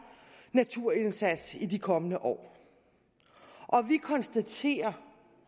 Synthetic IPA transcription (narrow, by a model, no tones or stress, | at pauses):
næt͡sʰuɐ̰e̝nsæd̥sidikʰɒ̽mənəʔɒ̰ː | ʔɒ̽ʋikʰɒ̽nsd̥æt͡sʰe̝̰ːɐ